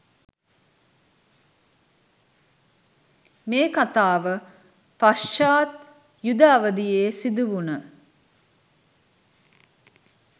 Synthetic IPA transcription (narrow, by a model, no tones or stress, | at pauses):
meːkat̪aːʋə | pasʃaːt̪ | jud̪aːʋəd̪ijeːsid̪uʋunə